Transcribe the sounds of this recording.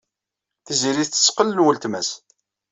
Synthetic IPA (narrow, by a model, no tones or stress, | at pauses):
θiziɾiθt͡sːə̥sqəlːənwəlt̪mæs